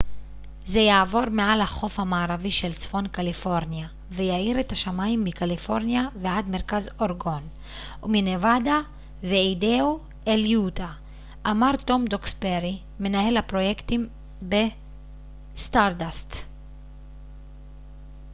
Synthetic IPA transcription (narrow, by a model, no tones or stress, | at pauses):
zejaːvo̞ʁmealhaχo̞fhamaːʁaviʃelt͡sfo̞nkalifo̞ʁnja | vejaiʁet̪aʃamaimːikalifo̞ʁnjavead̪me̞ʁkazo̞ʁɡo̞n | uminevada | veideu | eljuta | ʔamaʁt̪o̞md̪oksbeʁi | me̞nahe̞lhapʁo̞jekt̪im | be | st̪aʁdast̪